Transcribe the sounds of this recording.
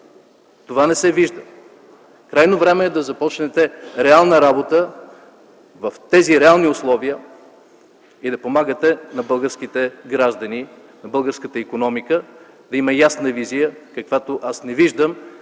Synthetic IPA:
t̪ovanɛsɛviʒd̪ə | kɾajnovɾɛmɛːd̪ɐzɐpɔt͡ʃnɛt̪ɛɾɛalˠnəɾabot̪ə | vɐft̪ɛziɾɛalˠniʊslˠɔviə | id̪ɐpomaɡət̪ɛnɐbɤlˠɡəɾsk̟it̪ɛɡɾaʒd̪ɐni | nɐbɤlˠɡəɾskət̪əikonɔmikə | d̪ɐimɐjasnəvizijəkɐkvat̪oʔasnɛviʒd̪əm

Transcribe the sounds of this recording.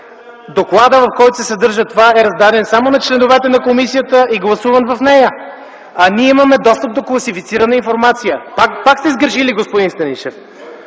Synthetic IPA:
d̪oklˠad̪əvɐfkɔjt̪ʊ̥sɛsɛd̪ɤɾʒət̪ovaɛɾɐzd̪ad̪ɛnsamonɐt͡ʃlɛnovɛt̪ɛnɐkomisijət̪əiɡlˠɐsuvənvɐfnɛjə | ɐniɛimɐmɛd̪ɔst̪əp̚d̪oklˠɐsifit̪siɾɐnəinfoɾmat̪sijəpakpaksɛizɡəɾʃiliɡospod̪inst̪ɐniʃɛf

